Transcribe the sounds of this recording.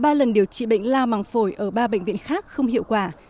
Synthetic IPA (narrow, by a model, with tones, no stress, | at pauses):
ɓaː˧lə˨˩nɗi˨˩əwt͡ɕḭ˧˨ɓə̰˧˨jŋ̟laː˧wma˨˩ŋfo˧˩jʔəː˧˩ɓaː˧ɓə̰˧˨ŋ̟vi˧˨ənxaː˦˥k̚xə˧wŋ͡mhḭ˧˨əwkwaː˧˩